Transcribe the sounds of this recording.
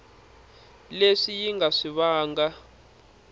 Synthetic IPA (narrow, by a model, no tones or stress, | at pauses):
leʂijiŋɡaʂiβaːŋɡa